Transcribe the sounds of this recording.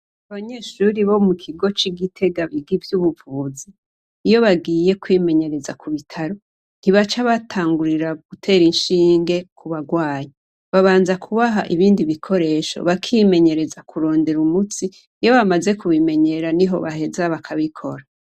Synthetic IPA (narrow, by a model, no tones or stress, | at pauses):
aβaɲe̞ːʃuɾiβo̞mukʰiɡo̞t͡ʃiɡitʰe̞ɡaβiɡivjuβuvuːziː | jo̞βaɡiːje̞kwime̞ɲe̞ɾe̞za̰kʰuβitʰaɾo̞ | n̥iβat͡ʃaβatʰaːŋɡuɾiɾaɡ̥utʰe̞ːɾinʃiːŋɡe̞kʰuβaɡwaːjae | βaβaːnzakʰuβaɦaʔiβiːndiβikʰo̞ɾe̞ːʃo̞̰βakʰime̞ɲe̞ɾe̞zakʰuɾo̞ːnde̞ɾumut͡si | jo̞βamaze̞kuβime̞ɲe̞ɾaniɦo̞̰βaɦe̞zaβakʰaβikʰo̞̰ɾa